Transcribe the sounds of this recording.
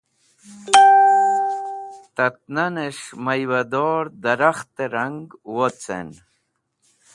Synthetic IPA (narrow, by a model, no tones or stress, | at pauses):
t̪ɐt̪̚naneʂmɐjwɐd̪oːɾd̪ɐɾaxt̪eɾɐŋɡwot͡sḛn